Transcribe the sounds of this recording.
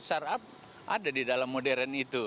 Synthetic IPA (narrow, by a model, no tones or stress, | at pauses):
sarap̚ | ʔadadidalamːodɛɾanit̪u